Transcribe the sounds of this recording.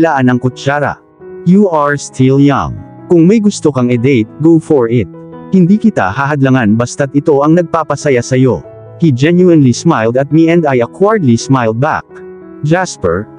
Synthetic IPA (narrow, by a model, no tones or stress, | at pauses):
laːʔanɐŋkʊt͡ʃaːɾɐ̰ | juʔaɹst̪ʰilja̰ŋ | kʊŋmɐjɡʊst̪okɐŋɛd̪ɛjt̪̚ɡofɔɹɪt̪̚ | hɪnd̪ikɪt̪a̰hɐɦɐd̪lɐŋanbɐst̪ɐt̪̚ɪt̪o̞ʔɐŋnɐɡ̚paːpɐsɐjasɐjo̞ | hid͡ʒɛnjuɛnlismajld̪ɐt̪̚miʔɛ̃nd̪ajɐkwaɹd̪lismajld̪̚ba̰k̚ | d͡ʒaspɛɹ